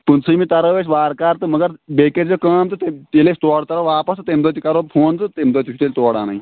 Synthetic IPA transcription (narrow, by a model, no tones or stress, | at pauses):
punsʰəimiːt̪ɐɾəʋeɕʋaːɾkaɾt̪ɨməɡəɾbeked͡zekəːmt̪ɨt̪et̪elest̪oɽt̪ɐɾəʋaːpəst̪ɨt̪emd̪ot̪ikaɾofʰoːnt̪ɨt̪emd̪ət̪ʲisʰut̪elʲt̪oːɽa̰na̰i